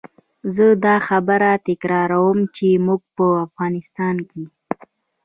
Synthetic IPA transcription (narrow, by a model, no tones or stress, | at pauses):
zəd̪ɑxabəɾat̪ɪkɾɑɾawəmt͡ʃemuɡ̚pəafɣɑnɪst̪ɑnke